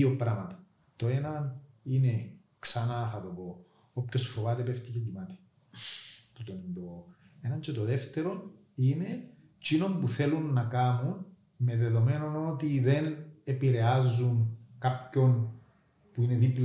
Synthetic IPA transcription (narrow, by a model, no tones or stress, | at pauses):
iopɾɐmɐt̪ɐ̥ | t̪o̞e̞nɐnine̞ | ksɐnɐxɐðobo | opcosu̥fovɐt̪epeft̪icecimɐt̪e̥ | put̪onind̪o | enɐɲt͡ʃet̪oðeft̪e̞ɾo̞n | ine̞ | t͡ʃino̞mbuθelunːɐkamun | me̞ðe̞ðo̞me̞no̞no̞t̪iðe̞nepiɾe̞azːunkapço̞n | puine̞ðipl